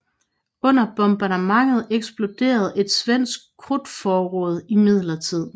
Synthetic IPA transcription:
ɔ̽n̰ɐb̥ɔ̽mb̥ɑɾemɑ̈ŋ̰əð̞̩ˠeɡ̥sb̥lo̝d̥e̝̰ːɐð̞̩ˠe̝d̥sʋen̰sɡ̥̚kʰːʁud̥fɒːʁɔ̽ːð̞ˠimið̞̰ˠlɐt͡sʰið̞̰ˠ

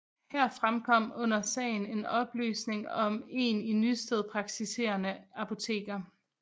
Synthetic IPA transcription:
hæɐ̰fʁamkʰɒ̽m̰ɔ̽n̰ɐsɛ̰ːɪne̝nɒ̽b̥ly̰ːsne̝ŋɒ̽me̝ninysd̥eð̞ˠpʰʁɑ̈ɡ̥̚t͡sʰise̝̰ːɐnəɑpʰo̝t͡sʰe̝̰ːɡ̥ɐ

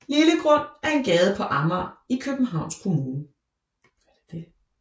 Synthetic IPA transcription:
liləɡ̥ʁɔ̽n̰æɐe̝nɡ̥ɛːð̞̩ˠəpʰɒ̽ʔɑ̈mɐikʰøb̥m̩ɦɑ̈ʊ̰nskʰo̝muːnə

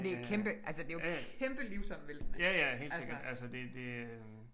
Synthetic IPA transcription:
d̥e̝kʰemb̥əʔælsəd̥e̝jokʰemb̥əliʊsɒ̽m̰ʋeld̥n̩jæjæɦe̝̰ːlse̝ɡ̥ɐd̥ælsəd̥e̝d̥e̝

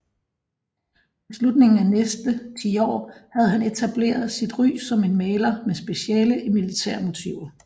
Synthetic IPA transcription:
islud̥ne̝ŋn̩ænesd̥ət͡sʰḭːɒ̰ːhæð̞̩ˠɦæne̝t͡sʰæb̥le̝̰ːɐð̩ˠsid̥ʁy̰ːsɒ̽me̝nmɛːlɐmesb̥e̝ɕiɛ̰ːləʔimilit͡sʰæɐ̰mo̝t͡sʰiʊ̰ɐ

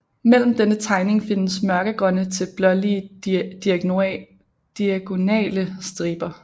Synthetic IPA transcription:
mel̰m̩d̥enət͡sʰɑ̈ɪne̝ŋfe̝nəsmɶɐɡ̥əɡ̥ʁɒ̽nət͡sʰe̝lb̥lɒ̽lid̥iæ | d̥iæɡ̥o̝nɛ̰ːləsd̥ʁiːb̥ɐ

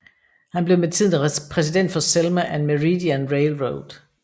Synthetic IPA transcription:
hænb̥le̝ʊmet͡sʰið̰ˠnpʰʁɛsid̥en̰d̥fɒ̽selmæʔænmæʁid̥iænʁeɪlʁoʊd̥

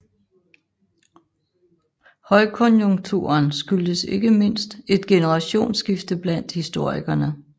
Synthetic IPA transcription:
hɒ̽ɪkʰɔ̽njoŋ̥t͡sʰṵɐnsɡ̥yld̥əse̝ɡ̥əme̝n̰sd̥e̝d̥ɡ̥e̝nəʁɑ̈ɕo̝̰ːnsɡ̥ifd̥əb̥læn̰d̥hisd̥o̝ɐ̰iɡ̥ɐnə

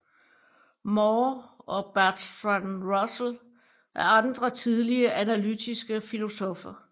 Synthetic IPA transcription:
mɒːɒ̽b̥æɐd̥fænʁɒsl̩ | ʔæɐɑ̈nd̥ʁɐt͡sʰið̞ˠliɐʔænælydʰisɡ̥əfilo̝sɔfɐ

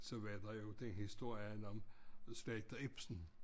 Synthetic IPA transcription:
sɒ̽ʋæɐd̥ɑjo̝d̥enhisd̥o̝ɐ̰jənɒmslɛːd̪̥ɐeb̥sn̩

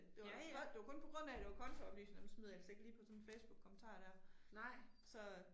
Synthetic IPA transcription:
d̥e̝ʋɒ̥d̥e̝ʋakɔ̽npʰɒ̽ɡ̥ʁɔ̽n̰æd̥e̝ʋɑ̈kʰɒ̽nt͡sʰɒb̥ly̰ːseŋænusmyðˠɐelse̝ɡ̥liːpʰɒ̽sɒ̽nfeɪsb̥uɡ̥̚kʰːɒ̽mən̩t͡sʰɑ̰̈ːd̥æɐ̰ | sɒ̽

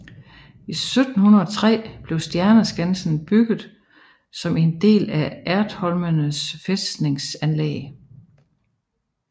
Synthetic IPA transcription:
isød̥n̩hunɐɒ̽t͡sʰʁɛ̰ːb̥le̝ʊsd̥jæɐnəsɡ̥ænsn̩b̥yɡ̥ð̞̩ˠ | sɒ̽me̝nd̥e̝̰ːlæʔæɐd̥hɒ̽lmənəsfesne̝ŋsænlḛː

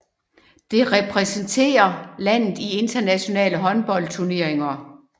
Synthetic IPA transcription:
d̥e̝ʁɛpʰʁɛsənt͡sʰe̝̰ːɐlæn̰ð̩ˠie̝nd̥ɐnæɕo̝nɛ̰ːləɦɒ̽nb̥ɒ̽l̰t͡sʰuɐne̝ɐ̰eŋɐ

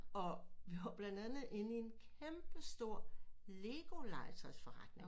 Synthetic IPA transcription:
ɒ̽ʋiʋɑ̈b̥lænd̥ænð̩ˠe̝nie̝nkʰemb̥əsd̥o̝ɐ̰le̝ɡ̥o̝lɑ̈ɪt͡sʰɐsfɒʁɑ̈d̥ne̝ŋ

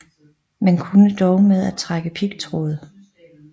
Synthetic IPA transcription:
menkʰunəd̥ɒʊmeð̞ˠæ̥t͡sʰʁaɡ̥əpʰiɡ̥t͡sʰʁo̰ð̞̩ˠ

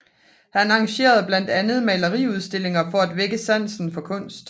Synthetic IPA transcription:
hænɑ̈ŋɕe̝̰ːɐð̞ˠb̥læn̰d̥ænð̞̩ˠmɛlɐʁiːuð̞ˠsd̥e̝le̝ŋɐfɒ̽æd̥ʋeɡ̥əsæn̰sn̩fɒ̽kʰɔ̽n̰sd̥

